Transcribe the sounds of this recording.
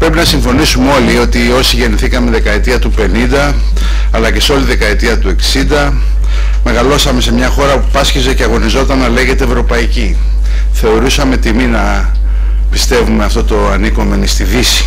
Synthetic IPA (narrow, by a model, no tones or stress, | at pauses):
pɾe̞pinɐsiɱfo̞nisumeo̞lio̞t̪io̞siʝe̞niθikɐme̞ðekɐet̪iɐt̪upe̞nind̪ɐː | lɐce̞so̞liðe̞kɐet̪iɐt̪ue̞ksind̪ɐ | me̞ɣɐlo̞sɐme̞se̞mɲɐxo̞ɾɐpupɐsçizeceɐɣo̞nizo̞t̪ɐnːɐle̞ɣe̞t̪e̞vɾo̞pɐici | θe̞o̞ɾusɐme̞t̪iminɐ | pist̪e̞vume̞ɐft̪o̞t̪o̞ɐniko̞me̞nist̪ivisi̥